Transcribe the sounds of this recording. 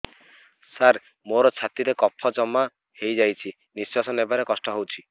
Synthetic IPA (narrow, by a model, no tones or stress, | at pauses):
saɾ | moɾɔt͡ʃʰat̪iɾekɔpʰɔd͡ʒɔma | hejd͡ʒajt͡ʃʰi | niswasɔnebaɾekɔsʈɔɦowt͡ʃʰi